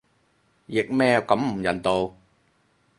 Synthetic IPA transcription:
jɪ˨k̚mɛː˥kɐ˨˥mm̩˨˩jɐ˨˩nt̪o˨w

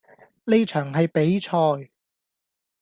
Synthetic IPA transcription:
le˥jt͡ʃʰœː˨˩ŋɦɐ˨jpe˨˥jt͡ʃʰɔː˧j

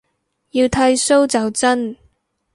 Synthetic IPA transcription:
ji˧wt̪ʰɐ˥jso˥wt͡sɐ˨wt͡sɐ˥n

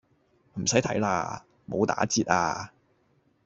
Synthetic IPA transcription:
m̩˨˩sɐ˨˥jt̪ʰɐ̰˨˥jla̰ː˧ | mo˨˧wt̪a̰ː˨˥t͡siː˧t̚a̰ː˧

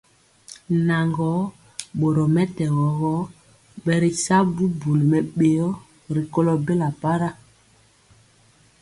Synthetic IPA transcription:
na˨ŋɡɔ˨˦ | ɓo˨ɾɔ˨mɛ˦tɛ˨ɣɔ˨ɣɔ˦ | ɓɛ˨ɾi˨sa˦bu˦bu˨lmɛ˨ɓe˨jɔ˦ | ɾi˨ko˦lɔ˨be˦la˨pa˦ɾa˦

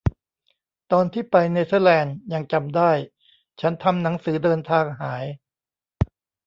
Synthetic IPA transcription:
t̪ɔː˧nt̪ʰiː˥˩pa˧jne˧sə˧˥˩lɛː˧nja˧ŋt͡ɕa˧mdaː˥˩j | t͡ɕʰa˦˥nt̪ʰa˧mna˩˦ŋsɯː˩˦dɤː˧nt̪ʰaː˧ŋɦaː˩˦j

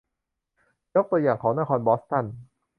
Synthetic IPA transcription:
jo˦˥k̚t̪u˧ɐjaː˨˩ŋkʰɔː˩˦ŋna˧kʰɔː˧nbɔː˦˥st̪a˥˩n

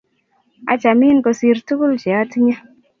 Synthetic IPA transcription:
a̰˨t͡ʃa˨mi˦nkɔ˧si˧ɾtu˦ku˦lt͡ʃɛ˨a˦ti˦ɲa˦

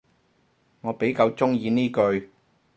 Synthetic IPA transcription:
ŋɔː˨˧pe˨˥jkɐ˧wt͡ʃʊ˥ŋjiː˧niː˥kɵ˧ɥ

